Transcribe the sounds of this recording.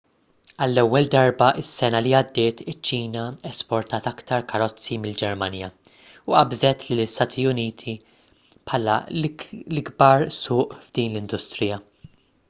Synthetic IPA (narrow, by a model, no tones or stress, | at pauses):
ɐlːɛwːɛld̪ɐɾbɐʔɪsːɛnɐliɐd̪ːɪːt̪ɪt͡ʃːiːnɐɛspɔɾt̪ɐːt̪ɐkt̪ɐɾkʰɐɾɔt͡sːimɪld͡ʒɛɾmɐnjɐ | ʊʔɐbzɛt̪lɪlːɪst̪ɐːt̪ʰiʊniːt̪ʰi | pħɐːlɐ̰ | lɪɡbɐɾsʊːʔvd̪iːnlɪnd̪ʊst̪ɾɪjɐ